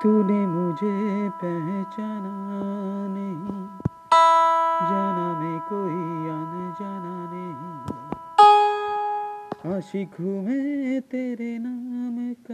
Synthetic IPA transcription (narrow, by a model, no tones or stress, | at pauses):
t̪unemʊd͡ʒʱepɛɦt͡ʃaːna | nɐɦĩ | d͡ʒaːnamẽkoːiaːmed͡ʒaːnanɐɦĩ | aʃikʰumẽt̪eːɾenaːmek